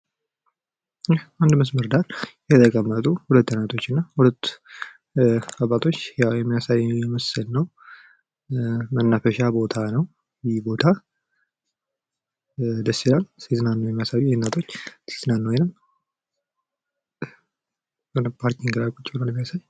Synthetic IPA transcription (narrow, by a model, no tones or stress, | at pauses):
jɛhand̪məsməɾd̪aɾjɛt̪ʼəkʼəmːət̪ʼuhulət̪ːənat̪ʰo̞t͡ʃːɨnːahulət̪ː | aβat̪ʰo̞t͡ʃːjajɛmːijasajjɛməsɨlnəw | mənːafəʃabo̞t̪ʰanəw | jɛbo̞t̪ʰa | d̪əsːilalsit̪ʰɨnanːəwjɛmːjasajjnːat̪ʰo̞t͡ʃːsi̥t̪ɨnanːəwjɛnɨm | ənpʰaɾk̪ʰiŋɡɨlakʼut͡ʃʼːɪlalɛmːjasaj